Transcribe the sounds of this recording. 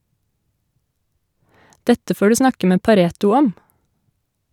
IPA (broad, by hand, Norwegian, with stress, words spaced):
ˈdɛtə ˈfoː ˈɖʉː ˈsnɑkə ˈmeː pɑˈɾeːtʊ ˈɔm